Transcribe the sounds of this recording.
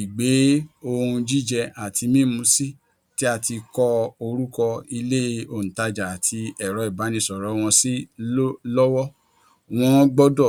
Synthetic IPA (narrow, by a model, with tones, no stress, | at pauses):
i˨ɡ͡be˨˦o˧ũ˧d͡ʒi˦d͡ʒɛ˧a˨tʰi˧mĩ˦˨mũ˧˦si˦ | ti˦a˦˧˨ti˧kɔ˦o˧ɾu˦kɔ˧i˧le˦˧o˨ñ̩˨ta˧d͡ʒa˨a˨tʰi˧ɛ˨ɾɔ˨˦i˨ba˨˦nĩ˧sɔ˨ɾɔ˨˦w̃ɔ̃˧si˦ | lɔ˦wɔ˦ | w̃ɔ̃˧˦ɡ͡bɔ˦dɔ˦˨